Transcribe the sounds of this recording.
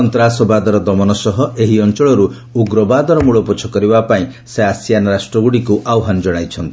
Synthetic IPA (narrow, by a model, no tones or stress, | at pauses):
ɔnt̪ɾasɔbad̪ɔɾɔd̪ɔmɔnɔsɔɦɔʔeɦiɔnt͡ʃɔɭɔɾu | uɡɾɔbad̪ɔɾɔmuɭɔput͡ʃʰɔkɔɾibapaĩ | seasjanɔɾasʈɾɔɡuɽikuʔawɦanɔd͡ʒɔɽ̃ajt͡ʃʰɔnt̪i